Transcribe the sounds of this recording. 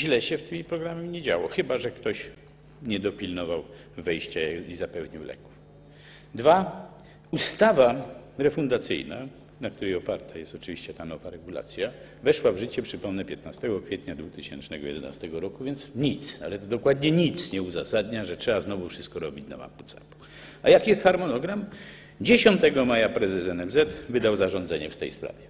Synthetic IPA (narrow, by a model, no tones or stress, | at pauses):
ʑlɛɕɛft̪ɘmʲipɾɔɡɾamɛmɲɛd͡ʑa̰wɔxɘbaʐɛkt̪ɔɕ | ɲɛd̪ɔpʲilnɔvaw | vɛjɕt͡ɕaizapɛvɲiwlɛ̰ku̥f | d̪va | ust̪ava | ɾɛfund̪at̪sɘ̰jna̰ | nak̚t̪uɾɛjɔpaɾt̪ajɛst̪ɔt͡ʂɨvʲiɕt͡ɕɛt̪anɔvaɾɛɡula̰t̪sʲja | vɛʂwavʐɘt͡ɕɛpʂɘpɔmnɛpʲjɛt̪nast̪ɛɡɔkfʲjɛt̪ɲad̪vut̪ɘɕɛ̰nt͡ʂnɛɡɔ̰jɛ̰d̪ɛna̰st̪ɛɡɔɾɔkuvʲjɛnt̪sɲit̪sa̰lɛt̪ɔd̪ɔkwad̪ɲɛɲit̪sɲɛuza̰sad̪ɲaʐɛtʂɛbaznɔvufʂɘst̪kɔɾɔbʲit͡ɕna̰ma̰mpu̥t̪sɛ̰ku̥ | ajakjɛst̪xaɾmɔnɔɡɾam | d͡ʑeɕɔnt̪ɛɡɔmajapɾɛzɛsɛnɛmzɛt̪vɘd̪awzaʐɔ̃nd̪zɛɲɛft̪ɛ̰jspɾa̰vʲjɛ